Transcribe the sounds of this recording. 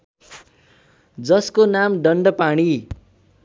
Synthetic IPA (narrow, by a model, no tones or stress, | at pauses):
d͡zʌskonamɖʌɳɖʌpaɽ̃i